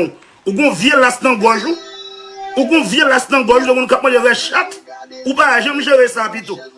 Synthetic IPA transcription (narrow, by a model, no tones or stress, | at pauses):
uɡõvjelast̪ãɡɔʒũ | uɡõvjelast̪ãɡɔʒulemũnkap̚mãdeɣɛʃat̪upaaʒãmʒeɣesapit̪o